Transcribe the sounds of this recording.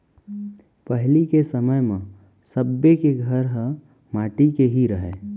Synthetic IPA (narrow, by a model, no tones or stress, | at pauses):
pəɦlikesəməjmẽ | səbːekeɡʱəɾɦə̃ | maːʈikeɦiɾəɦeː